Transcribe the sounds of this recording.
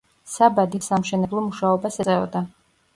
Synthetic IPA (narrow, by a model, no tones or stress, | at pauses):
sabad̪isamʃɛnɛblˠɔmuʃaɔbasɛsʼɛɔd̪a